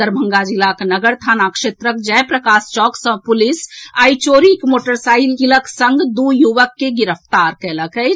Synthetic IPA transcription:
əɾbʱəŋɡad͡ʒilaknəɡəɾt̪ʰanakʃet̪ɾək̚d͡ʒɛpɾəkast͡ʃɔksə̃pulisait͡ʃoɾikmoʈəɾsailkiləksəŋɡd̪ujuʋəkːeɡiɾəpʰt̪aɾkɛləkət͡ʃ

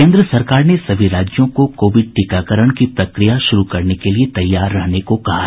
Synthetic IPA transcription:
kẽːnd̪ɾəsɐɾkaːɾnesɐbʱiɾaːd͡ʒjõkokoːʋɪɖ̚ʈikakəɾəɽ̃kipɾɐkɾijaʃʊɾukɐɾnekeliet̪ɐjːaːɾːɐɦnekokɐɦa

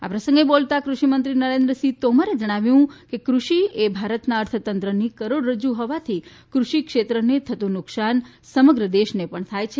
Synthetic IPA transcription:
a̰pɾəsə̃ŋɡebolt̪akɾuʃimənt̪ɾinəɾẽnd̪ɾəsit̪omaɾed͡ʒəɽ̃aʋjũkekɾuʃiebʱaɾət̪naəɾt̪ʰət̪ənt̪ɾənikəɾoɽɾəd͡ʒuɦɔʋat̪ʰi | kɾuʃikʃet̪ɾənet̪ʰət̪ũnʊksan | səməɡɾəd̪eʃnepəɳt̪ʰajt͡ʃʰe

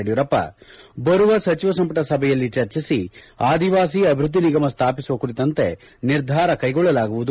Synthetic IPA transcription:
ɽijuɾɐpːɐ̰bɐɾuʋɐsɐt͡ʃiʋɐsɐmpɐʈɐsɐbʱɛjɐlːit͡ʃɐɾt͡ʃisi | aːd̪iʋaːsiːɐbʱɾud̪ːiniɡɐmɐst̪ʰaːpisuʋɐkuɾit̪ɐnt̪e̞ | niɾd̪ʱaːɾɐkɐjɡɔɭːɐlaːɡuʋud̪

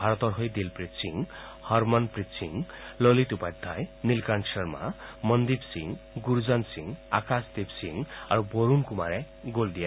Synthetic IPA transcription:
aɾɔt̪ɔɾɦojd̪ilpɾisiŋ | hɔɾmɔnpɾit͡ʃḭŋlɔlit̪upad̪ʱːajnilkansʰʌɾma̰mʌnd̪ipsḭŋɡuɾd͡zansiŋa̰kasd̪ibsḭŋaɾuboɾunkumaɾe | ɡold̪ija

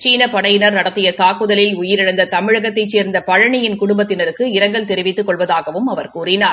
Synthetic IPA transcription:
t͡ʃiːnɐpɐɽɐjɪnɐɾnɐɽɐt̪ːɪjɐt̪aːkːɯðɐlɪlʊjɪɾɪɽɐnd̪ɐt̪ɐmɪɻɐɣɐt̪ːɐɪt͡ʃeːɾnd̪ɐpɐɻɐɳɪjɪnkʊɽʊmbɐt̪ːɪnɐɾɯkːɯɪɾɐŋɡɐɭt̪ɛɾɪʋɪt̪ːɯkːɔɭʋɐðaːɣɐʋɯmɐʋɐɾkuːrɪnaː

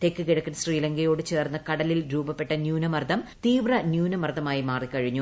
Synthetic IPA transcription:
t̪ekːɨkiɽɐkːɐnsriːlɐŋɡɐjo̞ːɽɨt͡ɕeːrnːɐkɐɽɐlilɾuːbɐpːeʈːɐnjuːnɐmɐrd̪ɐmt̪iːʋrɐnjuːnɐmɐrd̪ʱɐmaːjimaːrikːɐɻiɲːu

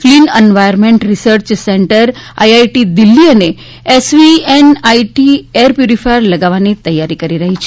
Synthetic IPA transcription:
kliːnenʋajəɾmẽɳʈɾisəɾt͡ɕseɳʈəɾa̰jajʈid̪ilːiːəne | esʋienaiʈieɾpjuɾifajɾləɡaʋanet̪əjːaɾiːkəɾiɾaɦit͡ɕi̥ː

